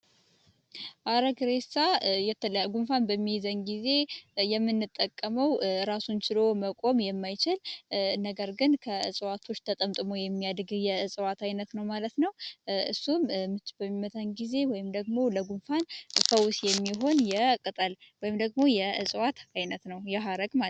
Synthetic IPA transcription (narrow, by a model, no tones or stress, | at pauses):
ʔaɾəɡɾesajɛt̪ʰːələjaɡunfanbəmːijzəɲɡize̞jɛmːɨnːɨt̪ʼːəkʼːəməwɾasunt͡ʃɪlo̞məkʼo̞mjɛmːajt͡ʃɪlnəɡəɾɡɨnkʰəɨsʼwat̪ʰo̞t͡ʃːt̪ʰət̪ʼəmt̪ʼɨmo̞jɛmːijad̪ɡɨjɛɨsʼwat̪ajnət̪nəwmalət̪nəwʔɨsːummɨbəmːimət̪ʰaɲɡize̞wɔjɪmd̪əɡmo̞ləɡunfanfəwsjɛmːiɦo̞njɛkʼɨt̪ʼəlwɔjɪmd̪əɡmo̞jɛɨsʼwat̪ajnət̪nəwjɛɦaɾəɡma